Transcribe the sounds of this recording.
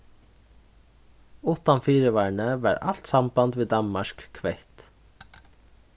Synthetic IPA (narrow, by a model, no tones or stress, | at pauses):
ʊt̪anfiːɾəʋaːɹɳəʋɑ̰ːɹa̰l̥t̪sambant̪vɪːd̪anmaʂkkʰvɛjht̪